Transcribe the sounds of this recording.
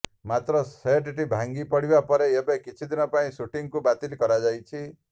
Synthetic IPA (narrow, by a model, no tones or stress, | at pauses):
mat̪ɾɔseʈiʈibʱaŋɡipɔɽibapɔɾeebekit͡ʃʰid̪ʱinɔpaĩsuʈiŋkubat̪ilkɔɾad͡ʒajt͡ʃʰi